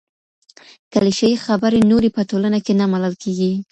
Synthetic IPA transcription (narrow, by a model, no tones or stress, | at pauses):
kaliʃajixabəɾenoɾepəʈolanakenamalalkʰeɡi